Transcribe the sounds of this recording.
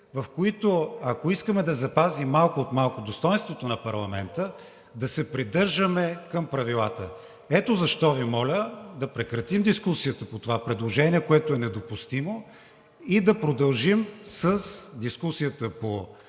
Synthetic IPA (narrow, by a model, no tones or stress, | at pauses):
vɐfkoit̪oɐkoiskəmɛd̪ɐzɐpazimːalˠkoːt̪malˠkod̪ost̪ɔjnst̪vot̪onɐpɐɾlˠɐmɛnt̪ə | d̪ɐsɛpɾid̪ɤɾʒəmɛkɐmpɾɐvilˠat̪ə̰ | ɛt̪ozɐʃt̪ɔvimɔlʲəd̪ɐpɾɛkɾɐt̪imd̪iskusijət̪əpot̪ovapɾɛd̪lˠoʒɛniɛkoɛt̪ʊɛnɛd̪opust̪imo | id̪ɐpɾod̪ɐlˠʒimsəsd̪iskusiət̪əpo